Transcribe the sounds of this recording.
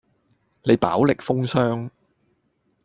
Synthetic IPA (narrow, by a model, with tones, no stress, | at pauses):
le˨˧jpa̰ː˨˥wlɪ˨k̚fʊ˥ŋsœː˥ŋ